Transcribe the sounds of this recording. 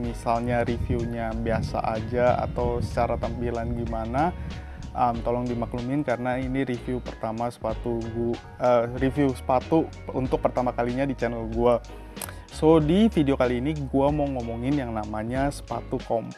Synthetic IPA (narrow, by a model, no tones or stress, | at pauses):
misalɲaɾifiuɲabiasa̰ʔad͡ʒaa̰t̪awsə̥t͡ʃaɾat̪ampilanɡimana | ʔəmt̪ɔlɔŋdimaklumɪnkaɾənainiɾifiupərt̪amasə̥pat̪uɡu | ərifiusə̥pat̪u | unt̪ʊk̚pərt̪amakaliɲadit͡ʃɛnəlɡua | sodifideokaliːniɡuamoŋomoŋɪnjaŋnamaɲasə̥pa̰t̪ukɔm